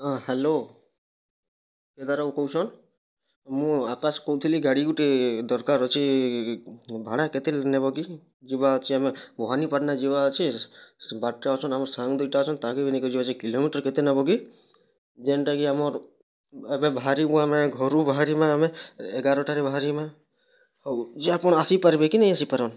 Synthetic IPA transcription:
aɦelo | ked̪aɾakɔwt͡ʃʰɔn | mũakaskɔwt̪ʰiliɡaɽiɡuʈid̪ɔɾkaɾɔt͡ʃʰi | bʱaɽaket̪ilenebɔɡi | d͡ʒibat͡ʃʰiamebɔɦanipaɾnad͡ʒiβaət͡ʃʰi | baʈːaɔt͡ʃʰɔnamɔɾsaŋɡd̪ujʈat͡ʃʰɔnt̪aɡibinikɔd͡ʒibat͡ʃʰikilomiʈəɾket̪enabɔɡi | d͡ʒenʈaɡiamɔɾ | ebebaɦaɾibũamẽɡʱɔɾubaɦaɾimãːmẽːɡaɾɔʈaɾebaɦaɾimã | d͡ʒeapɔɳ̃asipaɾbekinəĩasipaɾɔn

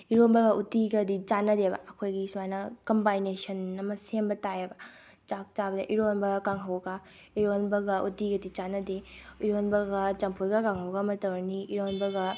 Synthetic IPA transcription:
iɾonbɐɡɐʔutiɡɐdit͡ʃanɐdebɐ̰ɐkʰojɡismanɐkɐmbajnesɐnɐmɐsembɐtajebɐ | t͡ʃak̚t͡ʃabɐdɐʔiɾonbɐkaŋɦɐwɡa | iɾonbɐɡɐʔutiɡɐdit͡ʃanɐdeiɾonbɐɡɐt͡ʃɐmpʰujɡɐkaŋɦɐwɡɐmɐtɐwɾniiɾonbɐɡɐ

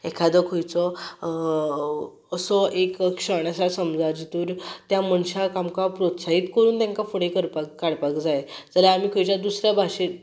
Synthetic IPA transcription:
ekʰad̪əkʰojt͡sɔ | əsɔekkɕəɳ̃jasasəmd͡zad͡ʑit̪uːɾt̪jam̤əɳɕakamkapɾot̪sait̪kəɾuːnt̪jãŋkafoɽekəɾpakːaɽpakd͡zaed͡zəlaːm̤iːkʰojt͡ɕad̪usɾjabʱaɕe

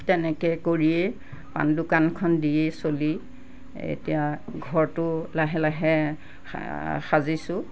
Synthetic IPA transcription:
tɛnɛkɛkoɹiɛ | pa̰ndʊkankʰɔndiesoli | ḛtijaɡʱɔɹtʊlaɦɛlaɦɛ | xazisʊ̃

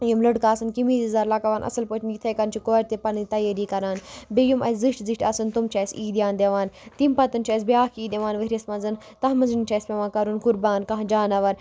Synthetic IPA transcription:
jumlɐɽkaːsɨnkimizizaɾlɐkɐʋaːnʔɐ̰sɐlpot͡ʃʰinjit̪ʰɐjkɐnt͡ʃʰikoːɾʲt̪epɐnit̪ɐjɐɾiːkɐɾaːnbejumʔɐ̰szɨʂʈziʃʈɐsɨnt̪umt͡ʃʰɐsiːd̪ʲjaːnd̪eʋaːnt̪impɐt̪ɨnt͡ʃʰɐːsbiaːkiːd̪eʋaːnʋɐɾʲɐsmɐnzɨn | t̪ɐɦmɐnzɨnt͡ʃʰɐsʲpʲeʋaːkɐɾunkuɾbaːnkɐɦd͡ʒaːnɐʋɐn

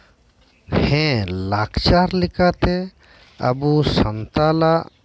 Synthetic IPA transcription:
hɛ̃lakt͡ʃaɾlɛkat̪ɛ | a̰busənt̪alaʔ

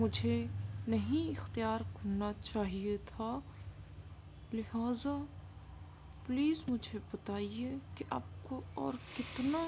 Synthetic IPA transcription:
mʊd͡ʒʱenɐɦĩɪxt̪ijaːɾkɐnat͡ʃaːɦiet̪ʰaː | lɪɦaːza | pliːzmʊd͡ʒʱebɐt̪aːiekeʔɐ̰b̚koɔːɾkɪt̪na

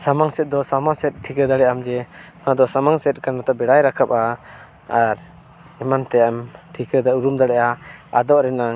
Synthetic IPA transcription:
samaŋsɛt̪̚d̪ɔsamasɛt̪̚ʈʰːikəd̪aɽɛʔamd͡ʒɛ | nad̪ɔsamaŋsɛt̪̚ˀkanat̪abɛɽajɾakʰap̚aː | ɾ | ɛmant̪ɛamʈʰikəd̪auɾumd̪aɽɛʔaa̰d̪ɔʔɾɛnaŋ

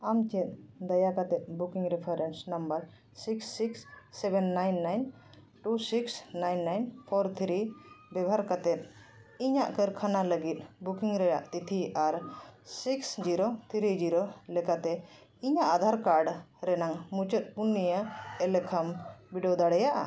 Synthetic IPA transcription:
amt͡ʃɛt̪̚d̪ajakat̪ɛt̪̚bukiŋɾɛpʰəɾɛnsnɐmbəɾ | siksːiksːɛbɛnːajnːajn | ʈusiksnajnːajnpʰɔɾt̪ʰɾibɛbʱaɾkat̪ɛt̪̚ | iɲaʔkəɾkʰanaləɡit̪̚ˀbukiŋɾɛjaʔt̪it̪ʰiʔaɾsiksd͡ʒiɾot̪ʰɾid͡ʒiɾolɛkat̪ɛ | iɲaʔad̪ʱaɾkaɾɖɾɛnaŋmut͡ʃət̪̚punːijəɛlɛkʰəmbiɖiod̪aɽɛjaʔa̰

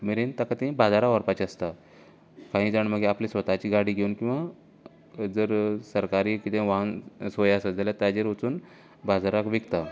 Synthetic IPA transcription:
miɾent̪akat̪ibad͡zaɾaʋəɾpat͡ɕiəst̪a | kãɦĩːd͡zaɳm̤əɡeaplisʋət̪at͡ɕiːɡaɽiːɡʱeunkĩw̃ʋa | d͡zəɾsəɾkaɾiːkit̪ẽʋansojasəd͡zəljat̪ad͡ʑeɾot͡suːn | bad͡zaɾakʋikt̪a

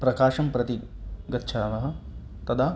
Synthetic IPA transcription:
pɾɐkaːʃɐmpɾɐt̪iɡɐtːʃʰanɐɦɐ̆t̪ɐd̪ʰa

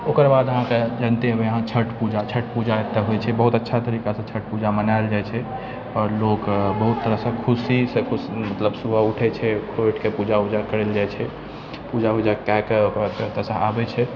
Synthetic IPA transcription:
okəɾbad̪əɦãked͡ʒənt̪eɦəbeəɦãt͡ʃʰəʈpud͡ʒat͡ʃʰəʈpud͡ʒaet̪ːəɦojt͡ʃʰɛbəɦut̪ətːʃʰat̪əɾikasə̃t͡ʃʰəʈpud͡ʒamənaeld͡ʒajt͡ʃʰɛ | ɔːɾlokbəɦut̪ːəɾəɦsə̃kʰusisẽkʰusmət̪ləbsubauʈʰɛt͡ʃʰɛkʰoiʈkepud͡ʒaud͡ʒakəɾeld͡ʒajt͡ʃʰɛ | pud͡ʒaɦud͡ʒakakeokt̪əsə̃abɛt͡ʃʰɛ

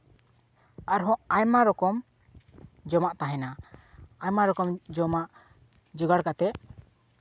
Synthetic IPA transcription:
aɾɦɔ̃ʔajmaɾɔkɔm | d͡ʒɔmaʔt̪aɦɛnaajmaɾɔkɔmd͡ʒɔmaʔ | d͡ʒuɡaɽkat̪ɛʔ

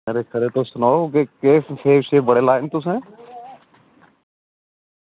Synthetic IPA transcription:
eːɾeːkʰəɾeːt̪oːsʊnaːokekeːsʰeːʃeːbəɽeːlaːɪnt̪ʊsẽː

